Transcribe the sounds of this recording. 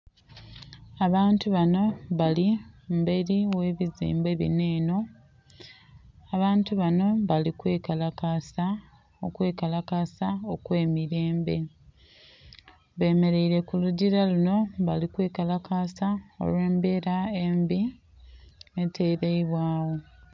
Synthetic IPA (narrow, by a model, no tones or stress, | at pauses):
aβaːntuβano̞βalimbe̞ɾiwe̞ːβizḭːmbe̞βḭne̞ːno̞ | aβaːntuβano̞βalikwe̞ːkalakasa | okwe̞ːkalakasaokwe̞ːmiɾe̞ːmbe̞ | βe̞ːme̞ɾe̞iɾe̞kuluɟiɾaluno̞βalikwe̞ːkalakasao̞̰lwe̞ːmbe̞ɾaembi | etʰe̞ːɾeiβwaːwo̞